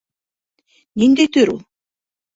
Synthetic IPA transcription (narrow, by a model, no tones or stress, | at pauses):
nind̪et̪øɾṵ